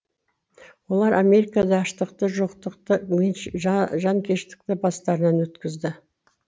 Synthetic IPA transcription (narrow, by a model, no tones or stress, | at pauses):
wo̞lˠɑɾʔamʲe̞ɾikɑd̪ɑːʃt̪əqt̪əʒoqt̪əqt̪əmeʒɑŋkʲʰe̞ʃt̪ɪ̥k̚t̪ɪbɑst̪ɑɾənɑnwɵt̪kʲɪzd̪ɪ